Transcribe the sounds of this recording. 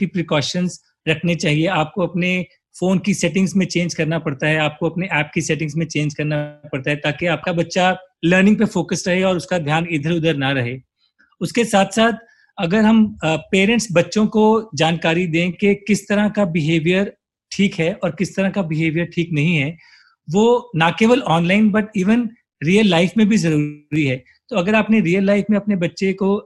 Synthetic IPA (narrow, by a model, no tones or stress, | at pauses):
ʈipɾɪkɔːʃənz | ɾɐkʰnet͡ʃaːɦieaːp̚koɐpne | foːnkisɛʈɪ̃ŋɡzmẽt͡ʃẽːnd͡ʒkɐɾnapɐɽt̪aɦɛaːp̚koɐpneʔɛːp̚kisɛʈɪ̃ŋɡsmẽt͡ʃẽːnd͡ʒkɐɾnapɐɽt̪aɦɛt̪aːkeaːp̚kabɐtːʃaləɾnɪ̃ŋɡ̚pefoːkəsɾɐɦeɔːɾʊskad̪ʱjaːnɪd̪ʱəɾʊd̪əɾnaɾɐɦeː | ʊskesaːt̪ʰsaːt̪̚ʰ | ɐɡəɾɦɐmpeːɾɛ̃ɳʈsbɐtːʃõkod͡ʒaːnkaːɾid̪ẽːkekɪst̪ɐɾãkabɪɦeːʋijəɾ | ʈʰiːkɦɛɔːɾkɪst̪ɐɾãkabɪɦeːʋijəɾʈʰiːknɐɦĩɦɛ | ʋoːnakeːʋəlɔːnlaɪnbɐʈiːʋən | ɾiːəlːaːɪfmẽbʱizɐɾuːɾiɦɛː | t̪oɐɡəɾaːpneɾiːəlːaɪfmẽɐpnebɐtːʃeko